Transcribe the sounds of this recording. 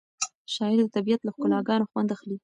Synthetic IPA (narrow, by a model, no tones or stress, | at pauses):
ʃɑɪɾd̪ət̪abijat̪laxkʊlɑɡɑnoxwand̪axli